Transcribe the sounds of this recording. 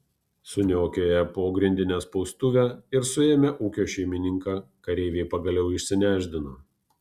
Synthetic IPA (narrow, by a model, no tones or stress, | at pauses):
sʊnʲoːkʲoːjɛpoːɡɾʲɪnʲd̪ʲɪnʲeːspɒʊst̪ʊʋʲɛːɪɾsʊeːmʲɛʔuːkʲoːʃʲɛɪmʲɪnʲɪŋkɑːkɐɾʲɛɪʋʲeːpɐɡɐlʲɛʊɪʃʲsʲɪnʲæːʒʲd̪ʲɪnoː